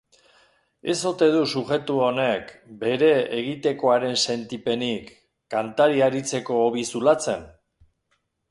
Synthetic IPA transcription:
e̞so̞t̪e̞ðusuʝe̞t̪uone̞kbe̞ɾe̞eɣit̪e̞ko̞aɾe̞nse̞nt̪ipe̞nikː | ant̪aɾiaɾit͡se̞ko̞ːβisulat͡se̞n

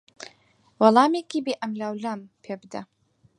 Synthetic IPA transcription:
wɑlɑːmekibiʔamlawlampʰebd̪a

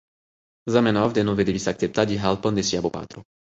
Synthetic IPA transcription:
zamɛnaavd̪ɛnɔvɛd̪ilisak̚t̪ɛp̚t̪aɟiɦalpənd̪ɛsiabɔpa̰ːt̪ɾu

